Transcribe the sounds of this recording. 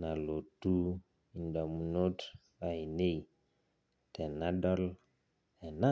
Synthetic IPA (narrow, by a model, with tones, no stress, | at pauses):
na˨lo˨tu˦ | i˨nda˨mu˨˦no˦t | a˨i˨ne˦j | tɛ˨na˦dɔ˦l | ɛ˨na˦